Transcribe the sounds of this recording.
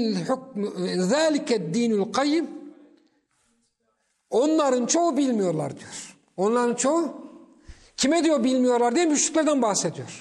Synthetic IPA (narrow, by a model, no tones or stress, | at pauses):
lħuk̚mðaːlikɛd̪ːiːnalqʰɑjːɪm | o̞nlˠaɾɯnt͡ʃʰo̞ubilʲmijo̞ɾlˠa̰ɾd̪ijo̞ɾ̥ | o̞nlˠaɾɯnt͡ʃʰo̞u | cʰimɛd̪ijobilʲmijo̞ɾlˠaɾd̪ijɛmb̪yʃly̥cʲlʲæɾd̪ænbaxsed̪ijo̞ɾ̥